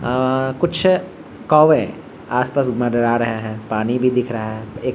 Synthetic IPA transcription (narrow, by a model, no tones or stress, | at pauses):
kʊt͡ʃʰ | kɔːʋẽ | aːspaːsmɐ̃ɖɐɾaɾɐɦaɦɛːpaːnibʱid̪ɪkʰɾɐɦaɦɛeːk